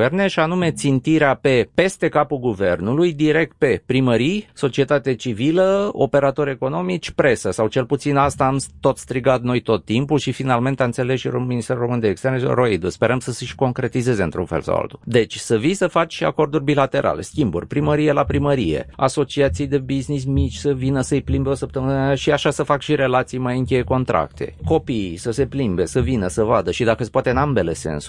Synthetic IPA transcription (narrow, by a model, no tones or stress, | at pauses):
erneʃianume̞t̪sint̪iɾeape̞pe̞st̪e̞kapulɡuve̞rnulujd̪iɾe̞k̚t̪̚pe̞pɾiməɾijso̞t͡ʃie̞t̪at̪at͡ʃiviləo̞̰pe̞ɾat̪o̞ɾʲe̞ko̞no̞mit͡ʃʲpɾe̞səsawt͡ʃe̞lput̪sinast̪aːmt̪o̞t̪st̪ɾiɡat̪̚no̞jt̪o̞t̪ːimpulʃifinalme̞nt̪eant̪se̞le̞sʃirominist̪eɾuro̞mɨnd̪eeːkst̪e̞rnero̞id̪uspe̞ɾəmsəsəʃko̞ŋkɾe̞t̪ize̞zeɨnt̪ɾṵnfelsa̰wa̰lt̪ud̪e̞t͡ʃʲsəvijsəfat͡ʃʃia̰ko̞rd̪urʲbilat̪e̞ɾʔa̰le̞̰skʲimbṵrʲpɾiməɾije̞lapɾiməɾije̞̰a̰so̞t͡ʃiat̪sijd̪e̞biznis̬mit͡ʃʲsəvinəsəɨjplimbeo̞səp̚t̪əmɨnaaʃiaʃasəfakʃiɾe̞lat̪sijmajɨŋkʲe̞je̞ko̞nt̪ɾa̰k̚t̪ʰe̞̰ko̞pisəse̞plimbe̞səvinəsəvad̪əʃid̪akəspoat̪e̞ɨnambe̞le̞se̞̰ns